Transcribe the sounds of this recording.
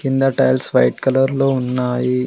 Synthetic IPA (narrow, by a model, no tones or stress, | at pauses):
kind̪ɐʈɐjlsʋɐ̰jʈkɐlɐɾloːunːaːji